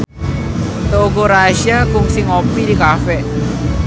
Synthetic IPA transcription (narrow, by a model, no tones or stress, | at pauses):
t̪əoɡoɾaʃiakʊŋsɪŋɔpidikafɛʔ